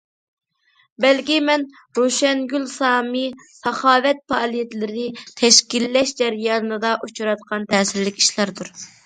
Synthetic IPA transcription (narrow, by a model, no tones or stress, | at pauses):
bɛlkʲimɛn | ɾoʃɛnɡʲylsɑːmisɑχɑːvɛt̪̚pɑːlˠijɛt̪lɪɾɪnɪt̪ʰɛʃkʲilːɛʃd͡ʒɛɾjɑːlɨnɨd̪ɑʔut͡ʃʰuɾɑt̪̚qʰɑnt̪ʰɛːsɪɾlːɪkʲi̥ʃlæɾd̪uɾ